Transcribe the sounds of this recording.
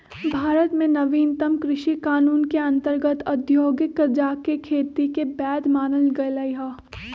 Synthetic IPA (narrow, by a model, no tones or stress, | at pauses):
bʱaːɾət̪mẽnɐʋiːnt̪əmkɾɪʃikaːnuːnkeɐ̃nt̪əɾɡət̪ɐd̪ʱjoːɡəkːd͡ʒaːkekʰeːt̪ikebɛːd̪maːnəlɡɐelɐiɦaː